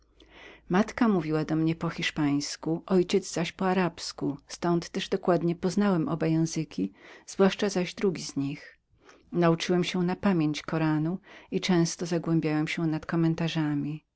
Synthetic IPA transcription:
mat̪kamuvʲiwad̪ɔmɲɛpɔxʲiʂpaj̃skuʔɔjt͡ɕɛd̪zzaɕpɔaɾapskust̪ɔnt̪ːɛʐd̪ɔkwad̪ɲɛpɔznawɛmʔɔ̰bajɛ̃w̃zɘkʲiz̥vwaʂt͡ʂazaʑd̪ɾuɡʲizɲix | naut͡ʂɨwɛmɕɛnapamʲjeɲt͡ɕkɔɾanuit͡ʂɛ̃w̃st̪ɔzaɡwɛ̃mbʲjawɛmɕɛnat̪kɔmɛnt̪aʐamʲi

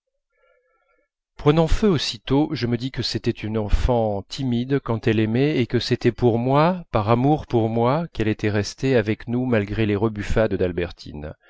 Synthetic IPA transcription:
pχənɑ̃føosit̪oʒəməd̪ikəset̪ɛt̪ynɑ̃fɑ̃t̪ʰimid̪kɑ̃t̪ɛlɛmɛekəset̪ɛpuʁmwapaʁamuʁpuʁmwakɛlet̪ɛʁɛst̪eavɛknumalɡʁeleʁəbyfad̪d̪albɛʁt̪ʰḭn

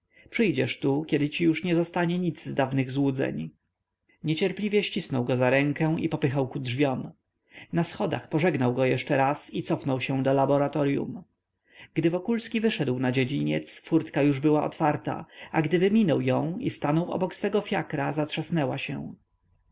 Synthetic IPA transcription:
pʂɘjd͡ʑɛʂt̪ukʲɛd̪ɘt͡ɕijuʂɲɛzɔst̪aɲɛɲid̪zzd̪avnɘɣzwud̪zɛ̰ɲ | ɲɛt͡ɕɛɾplʲivʲjɛɕt͡ɕisnɔwɡɔzaɾɛŋkɛ̃ʔḭpɔpɘxawkudʐvʲjɔm | nasxɔd̪a̰xpɔʐɛɡnawɡɔjɛʂt͡ʂɛɾasit̪sɔfnɔwɕɛ̃d̪ɔlabɔɾat̪ɔɾjṵm | ɡ̥d̪ɘvɔkulskʲivɘʂɛd̪wnad͡ʑed͡ʑiɲɛ̰t̪sfuɾt̪kajuʐbɘwaʔɔ̰t̪faɾt̪a̰aɡd̪ɘvɘmʲinɔwjɔ̃w̃ḭst̪anɔwʔɔ̰bɔksfɛɡɔfʲjakɾazatʂasnɛwaɕɛ̰̃

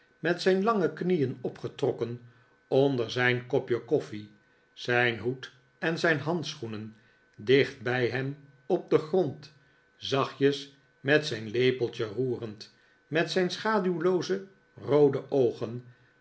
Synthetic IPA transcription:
mɛtsɛjnlɑŋəknijənɔpχətrɔkən | ɔndəɹzɛjnkɔpjəkɔfi | z̥ɛjnɦut | ɛnzɛjnɦɑntsχunən | dɪχt̚bɛjɦɛm | ɔb̚dəχrɔnt | zɑχjəs | mɛtsɛjnlejpəlˠt͡ʃəruːrənt | mɛtsɛjnsχaːdywlowzə | rowdəʔowχən

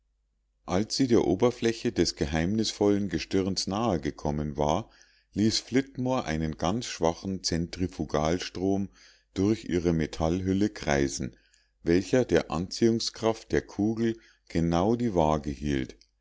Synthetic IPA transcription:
ʔalsz̥iːdeːɐʔoːbɐflɛçədɛsɡ̥əɦaɪmnɪsfɔlənɡəʃtʏʁnsnaːəɡəkʰɔmənva̰ːɐ | liːsflɪtmoːɐʔaɪnənɡant͡sʃv̥aχn̩t͡sɛntʁ̥ifuɡaːlʃtʁ̥oːm | d̥ʊɐçʔḭːʁəmetʰalɦʏləkʁ̥aɪzn̩ | vɛlçɐdeːɐʔa̰nt͡siːʊŋskʁ̥aft̚d̥eːɐkʰuːɡl̩ | ɡ̥ənaʊdiːvaːɡəhiːlt

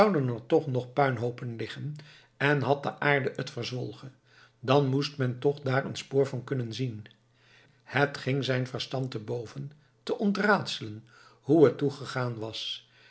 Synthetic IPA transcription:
wdənəɹtɔχnɔχpœɥnɦowpənlɪχən | ɛnɦɑt̚dəʔaːɹdəʔətfərzʋɔlˠχə | dɑnmustmɛntɔχdaːɹə̰nspoːɹvɑnkɵnənzin | hətχɪŋzɛjnvəɹstɑntəbowvən | təʔɔntraːtsələn | ɦuətuχəχaːnʋɑs

